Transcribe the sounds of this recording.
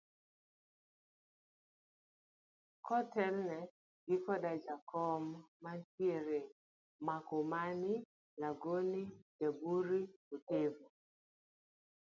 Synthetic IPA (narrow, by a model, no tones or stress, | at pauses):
kɔtɛlnɛ | ɡɪkɔdad͡ʒakʰɔmːat͡ʃjeɾe | makomanɪ | laɡonid͡ʒabuɾiotevo